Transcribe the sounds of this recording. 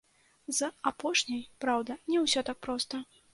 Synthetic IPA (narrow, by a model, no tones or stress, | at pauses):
zɐapɔʂnʲɐjpɾawd̪ɐnʲɛwsʲɔt̪ak̚pɾɔst̪ɐ